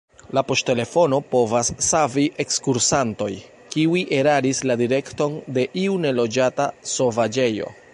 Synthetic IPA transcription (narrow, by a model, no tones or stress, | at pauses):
lapo̞stte̞le̞fo̞no̞po̞vasːaviʔe̞kskuɾsanto̞j | kiwiʔe̞ɾaɾisladiɾe̞kto̞nde̞ʔiune̞lo̞d͡ʒataso̞vad͡ʒe̞jo̞̰